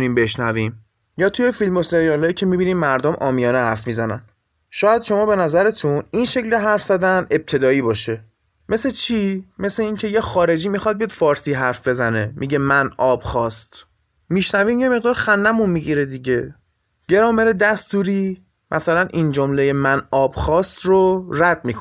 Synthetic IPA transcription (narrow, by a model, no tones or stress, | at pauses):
niːmbe̞ʃnæviːm | jɒːt̪ʰuje̞filmo̞se̞ɾijɒlɒːjiːcʰe̞mibiːniːmmæɾd̪omʔɒːmijɒːnehæɾfmizænæ̰n | ʃɒːjæd̪ʃo̞mɒːbe̞næzæɾet̪ʰuninʃecleɦæɾfz̥æd̪æne̞b̚t̪ʰe̞d̪ɒːiːbɒːʃe̞ | me̞set͡ʃʰime̞seiːncʰe̞jexɒːɾe̞d͡ʒiːmixɒd̪̚bijɒd̪̥fɒːɾsiːɦæɾfbe̞zæne̞mʔiɟemænɒːb̥xɒːst̪ | miʃnæviːmje̞me̞ɣd̪ɒːɾxænːæmunmiɟiɾed̪iɟe̞ | ɟ̥e̞ɾɒːmeɾed̪æst̪uːɾiː | mʔæsælænʔind͡ʒomle̞jemænɒːbxɒːst̪roræd̪̚miːkʰ